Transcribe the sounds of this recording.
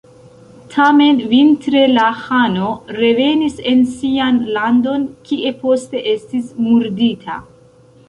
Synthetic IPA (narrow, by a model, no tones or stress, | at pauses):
tʰame̞nvintɾe̞lahano̞ɾe̞ve̞nise̞nsianlando̞nkiʔe̞po̞ste̞ʔe̞stismuɾditʰa̰